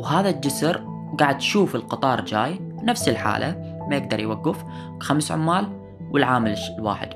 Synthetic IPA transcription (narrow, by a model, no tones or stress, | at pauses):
wɦaːðad͡ʒʊsɾ | ɡaʕɪd̪jʃuːfɪlqɨt̪ˤɑːɾˤd͡ʒaːj | nafsɪlħa̰ːlʔa | majɪɡ̚d̪ɑɾˤjwaɡːɪf | kxamsʕʊ̰mːaːl | wɪlʕaːmɪllwa̰ːħɪ̰d̪̥